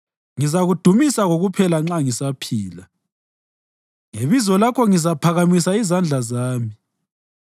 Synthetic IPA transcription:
ŋizaɣud̥ʱumisaɣoɣupʰɛlaŋ͡ǁaŋisapʰiːla | ŋeβizɔlakʰɔŋizapʰaɣamisaizand͡ɮʱazaːmi

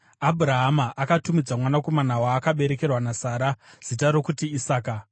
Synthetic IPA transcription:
abʱuɾaɦamaʔakatumid͡zamwanako̞manawaːkaɓe̞ɾe̞ke̞rwanasaːɾaz̥itaɾo̞kutiisaːka

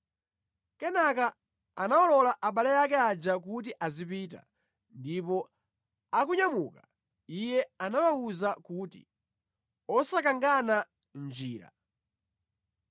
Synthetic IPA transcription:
kɛnaka | anaɔlɔlaʔaɓalɛjakɛad͡ʒak̬ut̬iʔazipiːta̰ | ndipɔ | akuɲamuka | ijɛanawauzakuːtḭ | ɔsakaŋɡana | nd͡ʒiːɾa̰

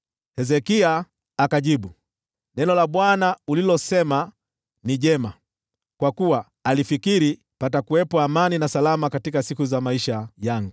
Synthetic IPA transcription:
hɛzɛkiaː | kaʄiɓu | nɛnɔlaɓwanaulilɔsɛma | niʄɛma | kwakuwaː | lifikiɾi | patakuwɛpɔamaninasalamakatikasikuzamaiʃajaŋɡu

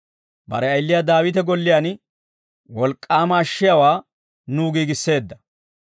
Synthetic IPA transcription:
bɐ̰ɾɛɐjlːɪjad̪aːwɪt̪ɛɡɔlːɪjaːn | wɔlkʼːaːmɐːʃːɪjawaː | nuːɡiːɡɪsːe̞ːd̪ːɐ

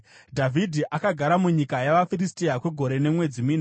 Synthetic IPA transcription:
dʱavʱidʱiʔakaɡʱaɾamuɲikajaʋafiristiakwe̞ɡʱo̞ɾe̞ne̞mwe̞d͡zimiːna

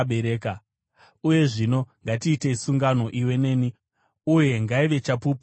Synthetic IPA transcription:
ɓeɾeːka | uje̞ʐino̞ŋɡatiːte̞isuŋɡano̞ʔiwe̞ne̞ːni | uje̞ŋɡaiʋe̞t͡ʃapuːp

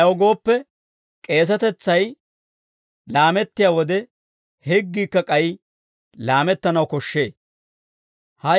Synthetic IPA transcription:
wɔɡo̞ːpːɛ | kʼe̞ːs̬ɐt̪ɛt͡sːɐj | laːmɛt̪ːɪjaːwɔd̪ɛ | hɛɡːiːkːɐkʼɐj | laːmɛt̪ːɐnɐwkɔʃːe̞ː | hɐ

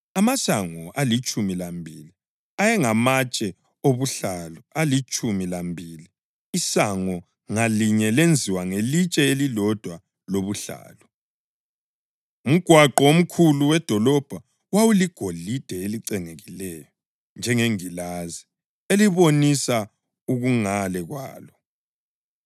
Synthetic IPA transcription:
amasaŋɔʔalit͡ʃʼumilambʱili | ajɛŋamat͡ʃʼɛ | oβuɬalɔalit͡ʃʼumilambʱiliː | saŋɔ | ŋaliɲɛlend͡zʱiwaŋelit͡ʃʼɛelilɔd̥ʱwa | loβuɬa̰ːlɔ | um̩ɡ̥ʱwaǃɔom̩kʰuluwɛd̥ʱɔlɔb̥ʱa | wawuliɡ̥ʱoɮid̥ʱɛeliǀɛŋeɣilɛjɔ | nd͡ʒʱɛŋeŋilazi | eliβonisa | uɣuŋalɛɣwa̰ːlɔ

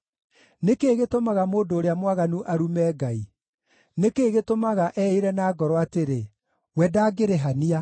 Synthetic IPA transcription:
nekeːɣetomaɣamoːndoːɾeamwaɣanuʔaɾumɛːɡai | nekeːɣetomaɣaʔɛeɾɛnaːɡɔɾɔateɾe | wɛdaːɡeɾeɦania

